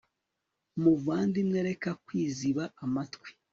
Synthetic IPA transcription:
muvaːndimŋeɾe̞kakwiːziβaːmatkwi̥

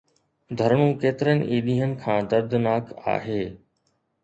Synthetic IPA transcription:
d̪ʱɐɾɳũːkeːt̪ɪɾənɪ̰̆ʔiːɗ̪iːɦənɪ̆kʰãːd̪ɐɾd̪ʱnaːka̰ːɦeː

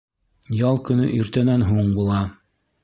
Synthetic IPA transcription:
jɑlˠkɵ̆nɵ̰ʔɵɾt̪ænænɦuɴbulˠɑ

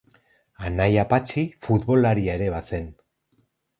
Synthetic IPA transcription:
anajapat͡ʃifut̪βo̞laɾiaeɾe̞βase̞n

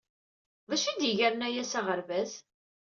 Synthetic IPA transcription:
væʃid̪jəʝæɾnæjæsaʁəɾvæz

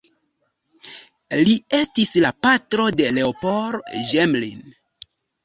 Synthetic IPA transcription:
lie̞stislapatɾo̞de̞le̞opoɾʒemlḭn

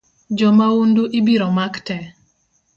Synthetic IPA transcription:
d͡ʒɔmaunduʔibiɾɔmaktɛ

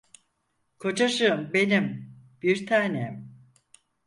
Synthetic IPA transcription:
kʰo̞d͡ʒaʃɯmbe̞nimb̥iɾt̪ʰaːnem

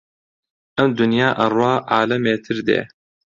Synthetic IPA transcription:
ʔɐmd̪ʊnjaːʔɐrwɑːʕaːlɐmeːt̪ʰɨɾd̪ḛː

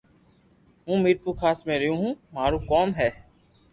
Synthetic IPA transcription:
ɦũːmiːɾpuːkʰaːsmẽːɾəjũːɦũːmaːɾuːkoːmɦɛː

